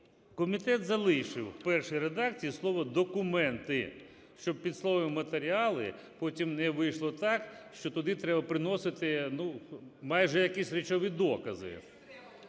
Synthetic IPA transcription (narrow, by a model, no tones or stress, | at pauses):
kɔmʲit̪ɛt̪zɐlˠɪjʃɪwpɛrʂɪjɾed̪ɑkt͡sʲijislˠɔʋɔd̪ɔkʊmɛnt̪ɪ | ʃt͡ʃɔb̚pʲid̪slˠɔʋɐmmɐt̪eɾʲiɑlˠɪ̰ | pɔtʲimnɛʋɪjʃlˠɔt̪ɑkʃt͡ʃɔt̪ɔd̪ɪt̪ɾɛbɐpɾɪnɔsɪt̪ɪnumɑjʒɛjɐkisʲɾʲɪt͡ʃɔʋid̪ɔkɐzɪ̰